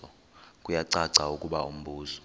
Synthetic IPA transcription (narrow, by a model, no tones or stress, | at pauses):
ɔ | kʼujaǀaǀaukʼuɓa̰um̩ɓuːsɔ̥